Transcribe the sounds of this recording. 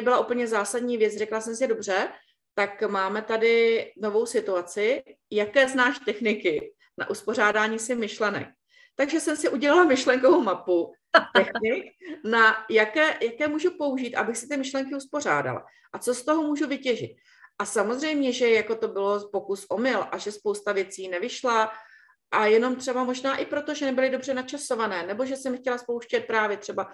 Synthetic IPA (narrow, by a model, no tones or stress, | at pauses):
nɛbɪlaʔup̩ɲɛzaːsadɲiːvjɛt͡srɛklasɛmsɪdo̞br̝ɛ | t̪akmaːmɛt̪adɪno̞vo̞wsɪt̪uat͡sɪ | jakɛːznaːʃt̪ɛxnɪkɪ | na̰ʔuspo̞r̝aːdaːɲiːsɪmɪʃlɛnɛ̰k̚ | t̪aɡʒɛsɛmsɪʔuɟɛlalamɪʃlɛŋkovowmapu | t̪ɛxnɪknajakɛːjakɛːmuːʒupo̞uʒiːt̪ʔa̰bɪxsɪt̪ɪmɪʃlɛŋkɪuspo̞r̝a̰ːda̰la̰ | ʔat͡so̞st̪o̞ɦomuːʒuvɪcɛʒɪ̰t̪̚ | ʔasamo̞zr̝ɛjmɲɛʒɛjakot̪o̞bɪlo̞po̞kusʔo̞mɪlʔaʒɛspo̞wst̪avjɛt͡siːnɛvɪʃla | ʔajɛno̞mt̪r̥ɛbamo̞ʒnaːʔɪpɾo̞t̪o̞ʒɛnɛbɪlɪdo̞br̝ɛnat͡ʃaso̞vanɛːnɛboʒɛsɛmxcɛlaspowʃcɛt̪̚pɾaːvjɛt̪r̥ɛba